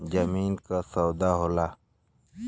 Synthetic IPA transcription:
d͡ʒɐmiːnkasawd̪aːɦoːlaː

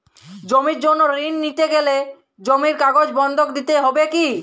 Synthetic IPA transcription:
d͡ʑomiɾd͡ʑonːoɾinːit̪eɡele | d͡ʑomiɾkaɡod͡ʑbɔnd̪ʱokd̪it̪eɦɔbeki

